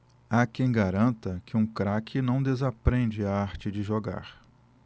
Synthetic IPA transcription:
akẽj̃ɡaɾɐ̃nt̪ɐkɪũkɾakʰɪnɐ̃w̃d̪ezapɾẽd͡ʒɪaaɾt͡ʃɪd͡ʒɪʒoɡa̰ɾ

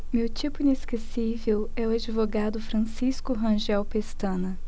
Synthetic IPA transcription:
mewt͡ʃipʊĩneskesivewɛʊad͡ʒivoɡad̪ʊfɾɐ̃siskʊɦɐ̃ʒɛwpest̪ɐ̃nɐ

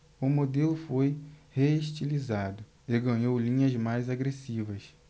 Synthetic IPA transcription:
ʊmod̪elʊfojheiʃt͡ʃilizad̪ʊ | eɡɐ̃ɲowlĩɲɐzmajzaɡɾesivɐs

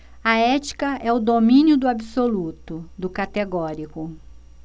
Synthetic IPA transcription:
ɐɛt͡ʃi̥kɐʔɛʊd̪omĩnjʊd̪ʊabisolut̪ʊd̪ʊkat̪eɡɔɾikʊ

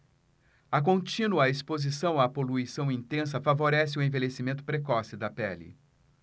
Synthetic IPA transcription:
ɐk̬õt͡ʃĩnuɐespozisɐ̃w̃apoluisɐ̃w̃ĩnt̪ẽs̬ɐfavoɾɛsɪʊẽvelesimẽnt̪ʊ̥pɾekɔsɪd̪ɐpɛlɪ̰

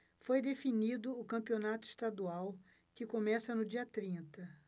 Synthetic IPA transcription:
fojd̪efinid̪ʊːkɐ̃pionat̪ʊist̪ad̪uaw | kɪkomɛsɐnʊd͡ʒiɐt̪ɾĩnt̪ɐ

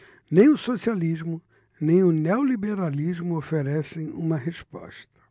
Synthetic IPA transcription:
nẽj̃ʊsosializmʊ | nẽj̃ʊnewlibeɾalizmʊofeɾɛsẽj̃ṵ̃mɐɦespɔ̰ʃt̪ɐ̥

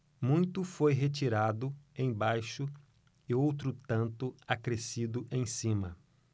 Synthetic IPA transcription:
mũj̃t̪ʊfojɦet͡ʃiɾad̪ʊẽj̃bajʃʊ | ɪowt̪ɾʊt̪ɐ̃nt̪ʊakɾesid̪ʊʔẽj̃sĩmɐ

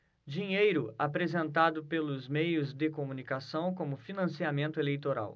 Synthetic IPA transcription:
d͡ʒiɲejɾʊapɾezẽnt̪ad̪ʊpelʊzmejʊzd̪ɪkomũnikasɐ̃w̃kõmʊfinɐ̃siamẽnt̪ʊelejt̪oɾa̰w

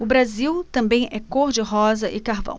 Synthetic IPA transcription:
ʊbɾaziwt̪ɐ̃mbẽj̃ɛkoɾd͡ʒɪɦɔzɐʔɪkaɾvɐ̰̃w̃

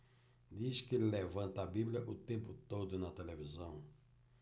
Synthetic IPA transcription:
d̪iskɪlevɐ̃nt̪ɐɐbiblʲɐʔʊt̪ẽmpʊt̪od̪ʊnɐt̪elevizɐ̃w̃

